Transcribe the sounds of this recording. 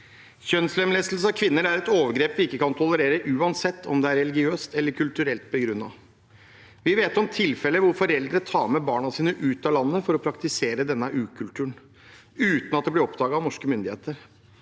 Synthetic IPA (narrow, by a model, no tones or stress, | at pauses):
çœnslɛmleːst̪əl̩s̬əɑkʰʋɪnːəɾæɾɛt̪oːʋəɾɡɾeːpʋɪɪkːəkɑnt̪ʰɔləɾeːɾəʔʉːɑnsɛt̪ʰːɔ̰md̪ɛæɾːɛlɪɡɪøːst̪ɛlːəɾkʰʉlt̪ʉɾɛlt̪̚bɔɡɾʉnːɑ̰ | ʋɪʋeːt̪ɔmt̪ʰɪlfɛlːəʋʊɾfɔɾɛld̪ɾət̪ʰɑːmɛbɑːɳɑsiːnəʔʉːt̪ɑlɑnːəfɔɾɔpʰɾɑkt̪ɪseːɾəd̪ɛnːəʔʉːkʰʉlt̪ʰʉːɳ | ʉːt̪nɑt̪̚d̪ɛb̪lɪɾɔpd̪ɑːɡəɑʋnɔʂkəmʏnd̪ɪhḛːt̪əɾ